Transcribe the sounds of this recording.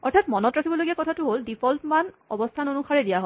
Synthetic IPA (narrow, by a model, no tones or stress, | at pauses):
ɔɹtʰatmɔnɔtɹakʰibɔloɡiakɔtʰatʊɦoldipʰɔlpman | ɔ̰bɔstʰanonuxaɹɛdijaɦo